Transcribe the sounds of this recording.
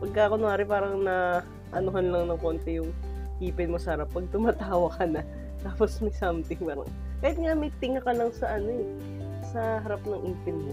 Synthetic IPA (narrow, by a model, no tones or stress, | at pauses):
pɐɡ̚kaʔɐkonʊaːɾɪpaːɾɐŋnɐ | ʔɐnoɦɐnlɐŋnɐŋkoːnt̪ɛjʊŋ | ʔiːpɪnmosɐhɐɾapːɐɡ̚t̪ʊmaːt̪aːwɐkʰɐnɐ | t̪aːposmɐjsaːmt̪ɪŋpaɾɐ̰ŋ | kɐjɪt̪̚ŋamɐjt̪ɪŋakɐlɐŋsɐʔɐno̞ɛ | sɐɦɐɾapnɐŋʔiːpɪnmo